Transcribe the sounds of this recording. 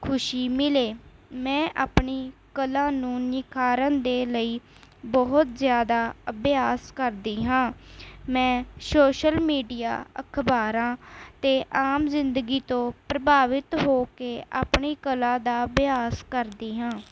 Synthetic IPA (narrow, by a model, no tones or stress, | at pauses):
kʰʊʃiːmɪleːmɛ̃ːʔaːpɳiːkəlãːnũːnɪkʰaːɾə̃nd̪eːləiː | bɔɦʊt̪zjaːd̪aːəbjaːskəɾd̪iːɦãːmɛ̃ːsoːʃəlmiːɖija̰ːəkʰbaːɾãːt̪eːʔaːmzɪnd̪əɡiːt̪õːpɾəbaːʋɪt̪ɦoːkeːʔa̰ːpɳiːkəlãːd̪aːbɪjaːskəɾd̪iːɦãː